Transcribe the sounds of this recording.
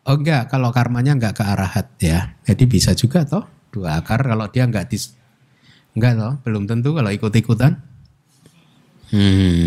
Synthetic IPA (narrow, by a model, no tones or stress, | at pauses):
ʔoŋɡaʔkalokarmaɲaŋɡaʔkəaɾahat̪̚jad͡ʒadibisad͡ʒuɡat̪ɔh | d̥uakarkaloʔd̥iaŋɡaʔd̥is | ŋɡaʔt̪ɔhb̥əlʊmt̪ənt̪̬ukaloʔikut̪ikut̪an | m̩h̩